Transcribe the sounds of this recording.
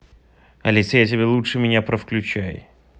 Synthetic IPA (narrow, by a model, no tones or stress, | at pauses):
ɐlʲisʲjat̬ʲɪbʲelˠutʂɨmʲɪnʲapɾəfklʲʉt͡ɕæj